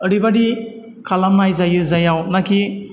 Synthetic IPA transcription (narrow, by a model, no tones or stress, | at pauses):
əɾibadi | kʰalamnajzajɯzajawnakʰi